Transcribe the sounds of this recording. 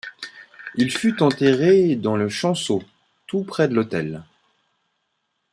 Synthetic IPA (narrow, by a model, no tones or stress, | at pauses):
ilfyt̪ɑ̃t̪eʁed̪ɑ̃ləʃɑ̃so | t̪upχɛd̪əlot̪ɛl